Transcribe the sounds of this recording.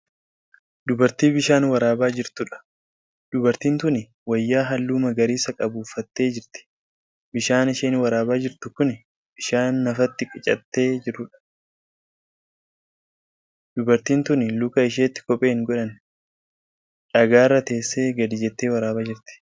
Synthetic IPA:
d̪̥ʊbɐɾt̪iːbɪʃaːnwɐɾaːbaːd͡ʒɪɾt̪ʊᶑɐ̥ | d̪ʊbɐɾt̪iːnt̪ʊnɪ | wɐjːaːɦɐlːuːmɐɡɐɾiːsɐkʼɐbuːfːɐt̪ːe̞ːd͡ʒɪɾt̪ɪ̥ | bɪʃaːnɪʃeːnwɐɾaːbaːd͡ʒɪɾt̪ʊkʊnɪ | b̥ɪʃaːnːɐfɐt̪ːɪkʼɪt͡ʃʼɐ̰t̪ːe̞ːd͡ʒɪɾʊᶑɐ̥ | d̪̥ʊbɐɾt̪iːnt̪ʊnɪlʊkɐɪʃ̬eːt̪ːɪ̥kɔpʼeːŋɡɔᶑɐn | ᶑɐɡaːrːɐt̪e̞ːsːeːɡɐd̪ɪd͡ʒɛt̪ːeːwɐɾaːbaːd͡ʒɪɾt̪ɪ̥

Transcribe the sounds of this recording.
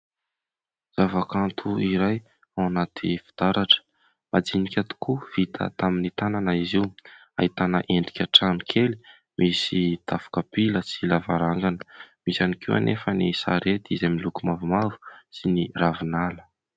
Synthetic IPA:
z̥avakant̪ʰuiɾaj | awnat̪ʰifi̥d̪̥aɾaʈ͡ʂə̥ | mad͡zinikʲat̪u̥kuv̥it̪ʰə̰t̪aminit̪ananaiziw | a̰ɦit̪anəʔeɳɖ͡ʐikʲaʈ͡ʂanikʰeli̥ | misit̪afḁkapiləsilavaɾaŋɡanəmisanikiwa̰nʔefənisa̰ɾet̪izamilukumavumavu̥siniravinalə̥

